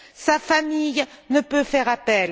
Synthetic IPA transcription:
safamijnəpøfɛʁapɛl

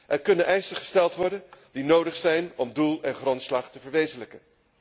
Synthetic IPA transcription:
ʔɛɹkɵnənʔɛjsəχə̥stɛlˠtʋɔɹdəndinowdəχsɛjnɔmdulˠɛnχrɔntslɑχtəvəɹʋejzələkən

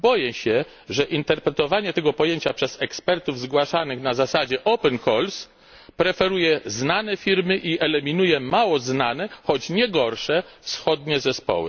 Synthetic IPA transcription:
bɔjɛɕɛ | ʐɛʔint̪ɛɾpɾɛt̪ɔvaɲɛt̪ɛɡɔpɔjeɲt͡ɕapʂɛzɛkspɛɾt̪uvzɡwaʂanɘxnazasad͡ʑɛʔɔpɛnxɔls | pɾɛfɛɾujɛznanɛfʲiɾmɘʔiɛlɛmʲinujɛmawɔznanɛxɔt͡ɕɲɛɡɔɾʂɛfsxɔd̪ɲɛzɛspɔ̰wɘ̰

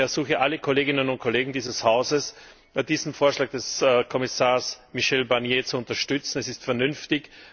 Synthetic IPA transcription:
ɛɐz̥uːxəʔaləkʰoleːɡɪnənʊnt̚kʰoleːɡŋ̩diːzəshaʊzəs | d̥iːzn̩foːɐʃlaːɡ̚d̥ɛskʰɔmɪsaːɐsmiʃɛlbaʁnjeːt͡suʊntɐʃtʏt͡sn̩ɛsɪstfɛɐnʏnftɪç

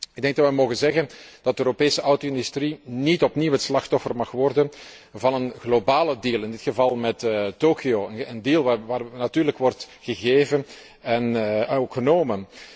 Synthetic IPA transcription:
ɪɡ̚dɛŋɡ̚dɑtʋɛjmoːɣənzɛɣənd̥ɑt̚dəøːɾopeːsəʔʌwtoɪndystrinitɔpniwətslɑxtɔfərmɑxʋɔrdən | vɑnənɣlobaːlədiːlˠɪndɪtxəvɑlˠmɛttːoːkioːəəndiːlˠʋaʋaːrnatyːrləkʋɔrt | ɣəɣeːvən | ɛnkxənoːmə

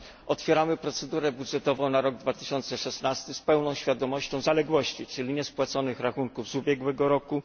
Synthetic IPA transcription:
ʔɔt̪fʲjɛɾamɘpɾɔt̪sɛd̪uɾɛbudʐɛt̪ɔvɔ̃w̃naɾɔɡ̚d̪vat̪ɘɕɔnt̪sɛʂɛsnast̪ɘspɛwnɔ̃w̃ɕfʲjad̪ɔmɔɕt͡ɕɔ̃w̃zalɛɡwɔɕt͡ɕit͡ʂɘlʲiɲɛspwat̪sɔnɘxɾaxuŋkuvzubʲjɛɡwɛɡɔɾɔku

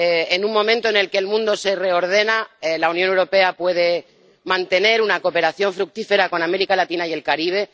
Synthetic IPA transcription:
enummõ̞mẽnt̪o̞ene̞lke̞ːlmũnd̪o̞se̞re̞o̞ɾðe̞naelaunjonewɾo̞pe̞apwe̞ð̞e̞ | mãnt̪e̞ne̞ɾunako̞pe̞ɾaθjo̞ɱfɾuk̚t̪ife̞ɾako̞name̞ɾikalat̪inaie̞lkaɾiβ̞e̞

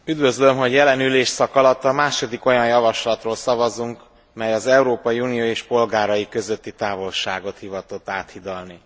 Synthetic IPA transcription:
yd̪vø̞zlømɦo̞ɟjɛlɛnyleːʃsɒkɒlɒt̪ːɒmaːʃo̞d̪iko̞jɒnjɒvɒʃlɒt̪roːlsɒvɒzuŋk | mɛjɒzɛuɾoːpɒjiuːnijoːeːʃpo̞lɡaːɾɒjikø̞zøt̪ːit̪aːvo̞lʃaːɡo̞t̪hivɒt̪o̞t̪ːaːt̪hid̪ɒlni

